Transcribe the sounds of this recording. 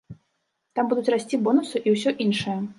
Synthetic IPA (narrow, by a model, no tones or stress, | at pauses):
t̪ambud̪ut͡sʲrasʲt͡sʲibɔnusuʔiwsʲɔʔinʂɨjɐ